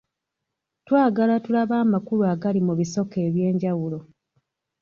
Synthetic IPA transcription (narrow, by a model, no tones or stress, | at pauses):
twaːɡalatulaβaːmakuluaɡalimuβiso̞ke̞ːβje̞ːɲɟawulo̞